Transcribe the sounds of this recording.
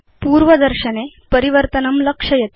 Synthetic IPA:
puːɾʋəd̪əɾɕəne | pəɾiʋəɾt̪ənəmləkʂəjet̪

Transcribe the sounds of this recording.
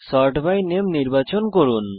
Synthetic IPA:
sɔɾʈbajnemniɾbat͡ɕonkoɾun

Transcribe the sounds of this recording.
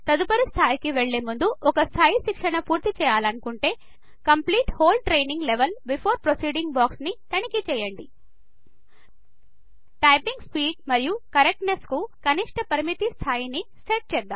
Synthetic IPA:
t̪ɐd̪upɐɾist̪ʰaːjikiʋeɭːeːmund̪uʔɔkɐst̪ʰaːjiʃikʂɐɳɐpuːɾt̪it͡ʃɛːjaːlɐnukuɳʈe̞ː | kɐmpliːʈhoːlʈɾejniŋɡleʋɐlbipʰoːɾpɾosiːɖiŋɡbaːksnit̪ɐnikit͡ʃɛːjɐɳɖi | ʈɐjpiŋɡspiːɖ̚mɐɾijukɐɾek̚ʈneskukɐniʂʈɐpɐɾimit̪ist̪ʰaːjiniseʈ̚t͡ʃɛːd̪ːaːm

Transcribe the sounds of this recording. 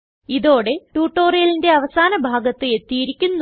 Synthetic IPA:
iðo̞ːɽe̞ʈuːʈːo̞ːrijɐlinde̞ɐʋɐsaːnɐbʱaːɡɐt̪ːɨe̞t̪ːijiɾikʲːunːu

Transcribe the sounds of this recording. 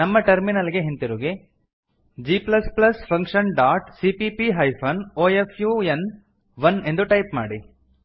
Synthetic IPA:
nɐmːɐʈɐɾminɐliɡeɦent̪iɾuːɡe | d͡ʒiːplɐsplɐspʰɐŋkʂɐnɖaːʈsipipiɦɐjpʰɐnoːefʰjuːen | ʋɐne̞nd̪uʈɐjpmaːɽi

